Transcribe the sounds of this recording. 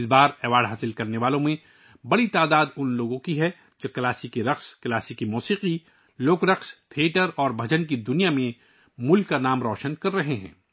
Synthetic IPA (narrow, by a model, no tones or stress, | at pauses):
sbaːɾɛːʋaːɖɦaːsɪlkɐɾneʋaːlõmẽ | bɐɽit̪aːd̪aːd̪ʊnloːɡõkiɦɛ | d͡ʒokɐlaːsikeɾɐxskɐlaːsikimuːsiːqi | loːkɾɐqst̪ʰieːʈəɾɔːɾbʱɐd͡ʒənk̬id̪ʊnijamẽ | mʊlkːanaːmɾɔːʃənkɐɾːɐɦeɦɛ̰̃ː